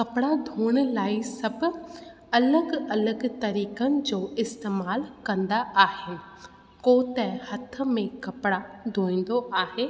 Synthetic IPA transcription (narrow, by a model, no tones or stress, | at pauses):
kɐpɽad̪ʱuːɽ̃̆laːisɐb | ɐləɡɐləɡt̪ɐɾiːkənɪ̆d͡ʑoːɪst̪eːmaːlkɐ̃nd̪aaːɦɪnɪ̆ | koːt̪ɛ̃hɐt̪̆ʰmẽkɐpɽad̪ʱoːĩːn̆d̪oʔaːɦeː